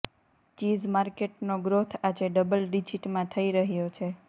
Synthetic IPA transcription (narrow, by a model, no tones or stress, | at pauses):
t͡ʃizmaɾkeʈnoɡɾot̪ʰad͡ʒeɖəbəlɖid͡ʒiʈmãt̪ʰəiɾəɦjot͡ʃʰe